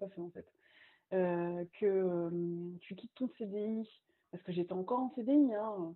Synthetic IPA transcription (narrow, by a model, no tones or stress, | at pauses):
afɛɑ̃fɛt̪ | økʰəømt̪ykʲit̪ːɔ̃sed̪ei | paʁsə̥kəʒet̪ɛɑ̃kɔʁɑ̃sed̪eiɛ̃ø